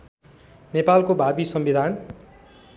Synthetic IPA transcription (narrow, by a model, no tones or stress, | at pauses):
nepalkobʱabisʌmbid̪ʱan